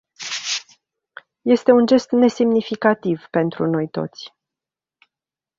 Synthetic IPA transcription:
je̞st̪e̞und͡ʒe̞st̪ne̞se̞mnifikat̪ivpe̞nt̪ɾṵno̞jt̪o̞̰t̪sʲ

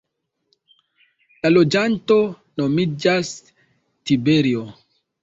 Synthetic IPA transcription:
lalo̞d͡ʒanto̞ | no̞mid͡ʒas | tibeɾio

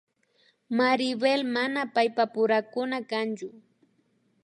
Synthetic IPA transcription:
maɾɪbelmanapajpapʊɾakʊnakant͡ʃʊ

